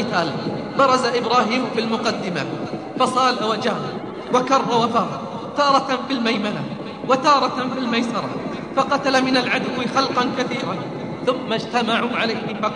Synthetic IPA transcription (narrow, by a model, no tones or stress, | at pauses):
ɪt̪aːl | bɑɾˤɑzaʔɪbɾaːɦiːmfilmʊqɑd̪ːɪma̰ | fɑsˤɑːlawad͡ʒaː | wakɑrˤːɑwafaːɾ | t̪ɑːɾˤɑt̪filmajmala | wat̪ɑːɾˤɑfilmajsɑɾˤɑ̰ | fɑqɑt̪alamɪnalʕad̪ʊwːɪxɑlqɑnkaθiːɾan | θʊmːad͡ʒt̪amaʕuʕalajhɪfɑ